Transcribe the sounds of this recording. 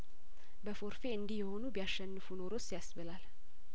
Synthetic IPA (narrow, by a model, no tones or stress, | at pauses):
bəfo̞ɾfe̞ɨnd̪ijɛho̞nubijaʃːɛnːɨfuno̞ɾo̞t͡ʃːsijasβəlal